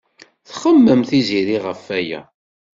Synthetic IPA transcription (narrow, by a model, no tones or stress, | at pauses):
θχəmːəmθiziɾiʁəfːæjæ̰